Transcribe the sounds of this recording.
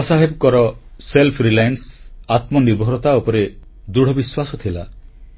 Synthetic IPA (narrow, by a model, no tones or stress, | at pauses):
ɔsaɦebɔkɔɾɔselpʰɾilajnsat̪mɔnibɦɔɾɔt̪aupɔɾe | d̪uɽ̤ɔbiswasɔt̪ʰila̰